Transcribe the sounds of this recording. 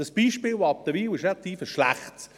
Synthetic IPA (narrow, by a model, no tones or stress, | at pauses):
əsb̥iːʃpɪːlvoɑp̚d̥̪əviːwɪʃnɛt̪ʰiːfəʃlæ̰χts